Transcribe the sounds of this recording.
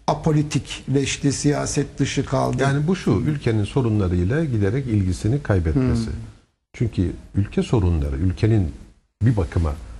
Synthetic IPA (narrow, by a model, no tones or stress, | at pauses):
apʰolʲit̪ʰiclɛʃlʲisijaːsɛt̪̚d̪ɯʃɯkʰa̰lˠd̪jɯaːnibuʃuylʲcʰe̞ninso̞ɾunlˠaɾɯjlˠaɟid̪eɾɛcilʲɟisinikʰajbɛt̪mmesɪ̰ | t͡ʃʰyɲcʰyylʲcʰɛso̞ɾunlˠa̰ɾɯ̰ylʲcʰe̞nin | bibakʰɯma̰